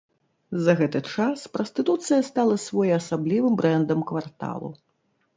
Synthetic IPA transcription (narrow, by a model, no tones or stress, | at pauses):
zɐɣɛt̪ɨt͡ʂaspɾɐsʲt̪ɨt̪ut̪sɨjɐst̪alˠɐsvɔjɐsablʲivɨmbɾɛnd̪ɐmkvart̪a̰lˠṵ